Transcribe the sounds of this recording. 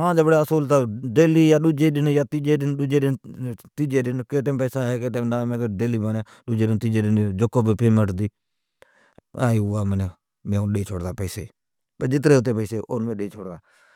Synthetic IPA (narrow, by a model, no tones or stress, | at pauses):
ɦãːd͡ʒaːbəɽeəsuːlt̪aːɖeːliːjaːɗʊd͡ʒeːɗɪnjaːt̪iːd͡ʒeːɗɪnɗʊd͡ʒeːɗɪnt̪iːd͡ʒeːɗɪnkeːʈeːmpɛːsaːɦeːkeːʈeːmnaːmẽːkeɖeːliːbaːnaː | ɗʊd͡ʒeːɗɪnt̪iːd͡ʒeːɗɪnd͡ʒokːoːbipeːməʈd̪iː | aːiaːməne | mẽːʊɗeːt͡ʃʰo̰ːɽd̪aːpɛːseː | pəd͡ʒɪt̪ɾeːɦʊt̪̬ːeːpəːseːʔonmẽːɗeːt͡ʃʰoːɽd̪aː